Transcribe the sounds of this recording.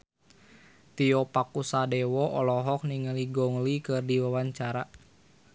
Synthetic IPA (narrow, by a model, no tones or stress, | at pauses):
t̪iɔpakusadɛwɔʔɔlɔɦɔk̚niŋəliɡɔŋlikɨrdiwawaɲt͡ʃaɾa